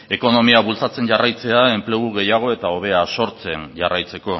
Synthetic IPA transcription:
e̞ko̞no̞miaβult͡sat͡se̞ɲʝarajt͡se̞ae̞mple̞ɣuɣe̞jaɣ̞o̞e̞t̪ao̞β̞e̞aso̞ɾt͡se̞nʝarajt͡se̞ko̞

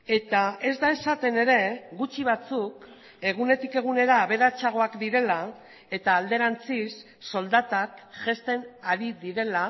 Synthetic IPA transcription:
e̞t̪ae̞zd̪ae̞sat̪e̞ne̞ɾe̞ɣut͡ʃiβ̞at͡suk | e̞ɣ̞une̞t̪ike̞ɣ̞une̞ɾaːβe̞ɾat͡saɣ̞o̞akd̪iɾe̞la | e̞t̪aːld̪e̞ɾant͡sisː | o̞ld̪at̪akʝe̞st̪e̞naɾiðiɾe̞la

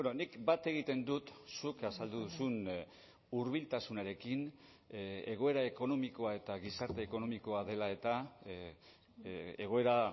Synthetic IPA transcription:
bbenonikbat̪e̞ɣ̞it̪e̞nd̪ut̪sukasald̪uðusun | uɾβilt̪asunaɾe̞kin | e̞ɣ̞o̞e̞ɾaeko̞no̞miko̞ae̞t̪aɣ̞isaɾt̪e̞ːko̞no̞miko̞að̞e̞lae̞t̪a | eɣo̞e̞ɾa

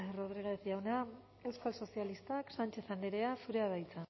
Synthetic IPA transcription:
roðɾiɣeeθiawna | e̞wskalso̞sialist̪aksant͡ʃe̞θand̪eɾeafuɾeaβajt͡sa

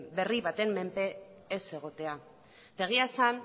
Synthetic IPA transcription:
be̞riβat̪e̞mːe̞mpe̞ː | se̞ɣ̞o̞t̪e̞a | t̪e̞ɣ̞iaesan

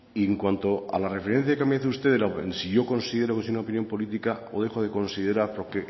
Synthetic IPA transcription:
ieŋkwant̪o̞a̰lare̞fe̞ɾe̞n̟θjakeameaθeust̪e̞ðelaḛnsiʝo̞ko̞nsiðe̞ɾokesojunaopinjo̞mpo̞lit̪ikao̰ðe̞xoðe̞ko̞nsiðe̞ɾaɾpo̞ɾke

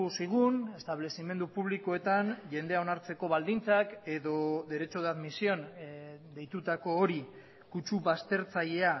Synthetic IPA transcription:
siɣ̞une̞st̪aβ̞le̞sime̞nd̪upuβliko̞e̞t̪anʝe̞nd̪eao̞naɾt͡se̞ko̞βald̪int͡sake̞ðo̞d̪e̞ɾe̞t͡ʃo̞ðaðmisio̞nd̪e̞jt̪ut̪ako̞ːɾi | kut͡ʃuβast̪e̞ɾt͡saʎe̞a

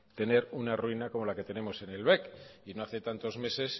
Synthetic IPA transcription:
t̪e̞ne̞ɾunaruinako̞mo̞lake̞t̪e̞ne̞mo̞se̞ne̞lβe̞kino̞aθe̞t̪ant̪o̞zme̞se̞s

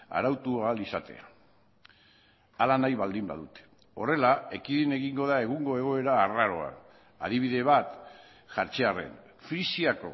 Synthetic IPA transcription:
a̰ɾawt̪uaalisat̪e̞̰a̰ | alanajβald̪imba̰ðut̪e̥ | ore̞lae̞kiðine̞ɣiŋɡo̞ðae̞ɣ̞uŋɡo̞e̞ɣ̞o̞e̞ɾaːraɾo̞a̰n | a̰ðiβ̞iðe̞β̞at̪ | ʝaɾt͡ʃe̞are̞̰n | fɾisiako̞̰

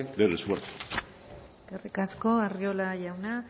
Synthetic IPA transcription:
d̪elesuaɾt̪ | skerikasko̞ariolaʝawna

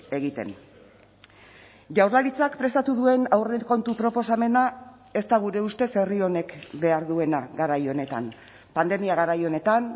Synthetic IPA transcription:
e̞ɣit̪e̞̰n | ʝawɾlaɾit͡sakpɾe̞st̪at̪uðue̞nawreko̞nt̪upɾo̞po̞same̞na | e̞st̪aɣ̞uɾe̞ust̪e̞se̞rio̞ne̞kbe̞aɾðue̞naɣaɾajo̞ne̞t̪a̰n | pand̪e̞miaɣ̞aɾajo̞ne̞t̪an

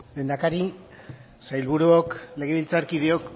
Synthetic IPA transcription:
le̞nd̪akaɾi | sajlβuɾuokle̞ɣ̞eβilt͡saɾkiðeok

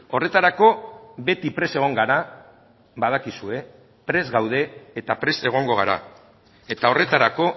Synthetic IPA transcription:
o̞re̞t̪aɾako̞be̞t̪ipɾe̞se̞ɣ̞o̞ŋɡaɾa | βaðakisue̞ | pɾe̞zɣawð̞e̞ːt̪apɾe̞se̞ɣ̞o̞ŋɡo̞ɣ̞aɾa̰ | e̞t̪ao̞re̞t̪aɾako̞

